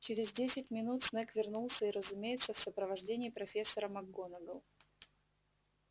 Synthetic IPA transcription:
t͡ɕɪɾʲɪzdʲesʲɪt̚ʲmʲɪnut̪snɛkvʲɪrnulˠsʲəiɾəzʊmʲejɪt̪səfsəpɾəvɐʐdʲenʲɪːpɾɐfʲesːəɾəmɐɡːonəɡəlˠ

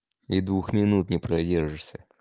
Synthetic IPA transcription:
id̪vuxmʲɪnut̪nʲɪpɾɐdʲerʐɨʂsʲə

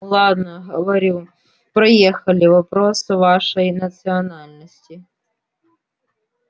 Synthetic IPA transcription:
lˠɑd̪nɐɦɔʋɐɾʲu | pɾɔjɛxɐlʲɪʋɐpɾɔsɪʋɑʃɔjnɐt̪sɨɔnɑlʲnɐsʲtʲi

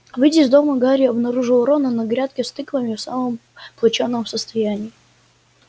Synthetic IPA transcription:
vɨdʲɪzd̪o̞məɡaɾʲɪɐbnɐɾuʐɨlˠɾonənɐɡɾʲat̪̚kʲɪst̪ɨklˠəmʲɪfsaməmplˠɐt͡ɕonːəmsəst̪ɐjænʲɪː

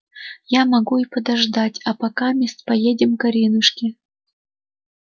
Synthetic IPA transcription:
jamɐɡuipəd̪ɐʐd̪atʲapɐkamʲest̪pɐjedʲɪmkɐɾʲinɨʂkʲɪ

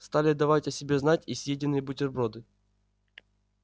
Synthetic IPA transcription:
st̪alʲɪɐd̪ːɐvatʲɐsʲɪbʲeznatʲisʲjedʲɪnːɨjəbʊtʲɪrbɾod̪ɨ

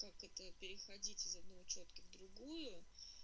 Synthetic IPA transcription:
kakɛt̪əpʲɪɾʲɪxɐdʲitʲɪzɐd̪̚nɐvot͡ɕot̪kəvd̪ɾʊɡujʊ

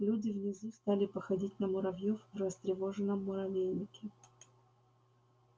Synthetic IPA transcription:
lʲudʲɪvnʲɪzust̪alʲɪpəxɐdʲitʲnəmʊɾɐvjofvrəst̪ɾʲɪvo̞ʐɨnəmːʊɾɐvʲejnʲɪkʲɪ

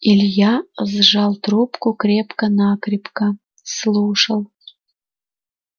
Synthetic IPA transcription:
ilʲjɑəzʐɑlˠt̪rupkukrʲepkənɑkrʲipkə | slˠuʂəlˠ

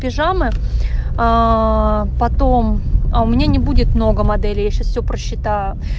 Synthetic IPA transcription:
pʲɪʐamɨ | a | pɐt̪o̞maʊmʲɪnʲanʲɪbudʲɪt̪mno̞ɡəmɐd̪ɛlʲɪjaɕasfʲsʲopɾəɕːɪt̪ajʊ

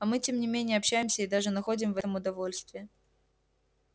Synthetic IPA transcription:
ɐmɨtʲemnʲɪmʲenʲɪjəɐpɕːæjɪmsʲəid̪aʐɨnɐxo̞dʲɪmvɛt̪əmʊd̪ɐvo̞lʲst̪vʲɪː

